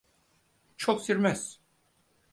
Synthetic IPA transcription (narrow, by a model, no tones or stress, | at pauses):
t͡ʃʰoksiɾmɛs